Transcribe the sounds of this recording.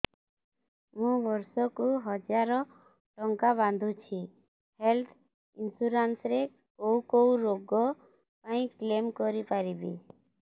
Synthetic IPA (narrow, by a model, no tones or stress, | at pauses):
mũbɔɾsɔkuɦɔd͡ʒaɾɔ | ʈɔŋkabãnd̪ʱũt͡ʃʰi | helt̪ʰ | ɪnsuɾansɾe | koukouɾoɡɔ | paĩklemkɔɾipaɾibḭ